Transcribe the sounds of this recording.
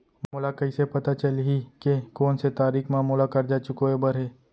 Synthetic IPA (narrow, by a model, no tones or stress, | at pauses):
mmʊlakɐisepɐt̪at͡ʃɐlɦikekoːnset̪aːɾiːkmãːmʊlakɐɾd͡ʒaːt͡ʃʊkoebɐɾɦeː